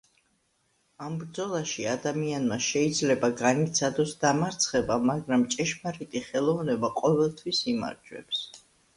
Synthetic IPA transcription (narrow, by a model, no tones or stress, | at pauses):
ambɾd̪zɔlˠaʃiad̪amianmaʃɛid̪zlɛbaɡanit̪sʰad̪ɔsd̪amaɾt̪sʰχɛbamaɡɾamt͡ʃʼɛʃmaɾit̪ʼiχɛlˠɔvnɛbaqʼɔvɛlˠt̪ʰwisima̰ɾd͡ʒwɛ̰ps